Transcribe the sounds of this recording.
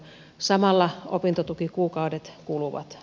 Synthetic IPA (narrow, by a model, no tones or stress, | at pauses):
sɑmɑlːɑopint̪ot̪ukikuːkɑudet̪kuluʋɑ̰t̪